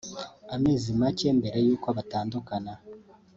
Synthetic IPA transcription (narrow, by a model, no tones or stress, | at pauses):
ameːzimace̞ːmbeɾajuːkwoaβataːndukana